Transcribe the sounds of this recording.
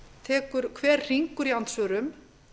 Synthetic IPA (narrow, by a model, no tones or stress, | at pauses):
t̪ʰɛːkʏɾ̥kʰvɛːɾ̥r̥iŋkʏɾiant̪sœːɾʏm